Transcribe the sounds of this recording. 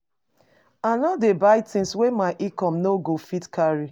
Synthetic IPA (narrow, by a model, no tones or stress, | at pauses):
anɔdebajtĩnswemaʔikɔmnoɡofitkʰaɹi